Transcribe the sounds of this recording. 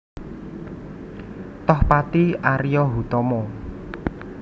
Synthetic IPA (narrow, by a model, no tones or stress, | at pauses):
t̪ɔhpat̪iʔaɾijɔɦut̪ɔmɔ